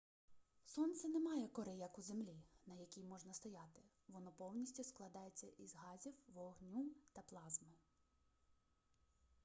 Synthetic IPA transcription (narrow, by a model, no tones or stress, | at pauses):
sɔnt̪sɛnɛmɑjɛkɔɾɛjɐkuzemlʲinɐjɐkʲijmɔʒnɐst̪ɔjɑt̪ɪ | ʋɔnɔpɔwnʲisʲtʲisklˠɐd̪ɑjet͡sʲːɐʔizɦɑzʲiwʋɔɦnʲut̪ɐplˠɑzmɪ